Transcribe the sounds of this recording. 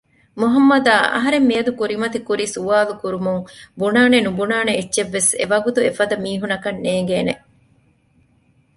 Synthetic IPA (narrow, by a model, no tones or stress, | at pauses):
muɦɐmːɐd̪aːʔɐ̰ɦɐɾemːiɐd̪ukuɾimɐt̪ikuɾisuʋaːlukuɾumuŋbunaːnenubunaːneːtːʃeʋːesḛʋɐɡut̪uefɐd̪ɐmiːɦunɐkɐnːeːŋ̆ɡeːne